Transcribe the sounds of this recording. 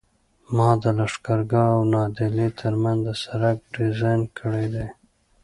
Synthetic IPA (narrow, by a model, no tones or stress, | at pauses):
mɑd̪əlaʂkaɾɡaawnɑd̪ɪlet̪ʰəɾmand̪əsaɾaɡ̚ɖɪzɑjnkʰəɽed̪e